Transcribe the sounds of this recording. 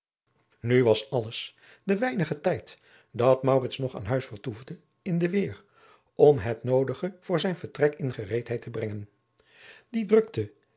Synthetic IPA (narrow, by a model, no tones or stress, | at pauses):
nyʋɑsɑləs | dəʋɛjnəχətɛjt | dɑtmɑwrɪtsnɔχa̰ːnɦœɥsfəɹtuvdə | ɪndəʋɪːr | ɔmɦətnowdəχəv̥ʊːɹzɛjnvəɹtrɛkɪnχərejtɦɛjtʰəbrɛŋən | didrɵktə